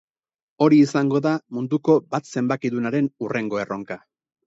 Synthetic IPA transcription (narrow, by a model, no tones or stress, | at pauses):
o̞ɾiːsaŋɡo̞ðamund̪uko̞bat̪se̞mbakiðunaɾe̞nurʔe̞ŋɡo̞e̞ro̞ŋka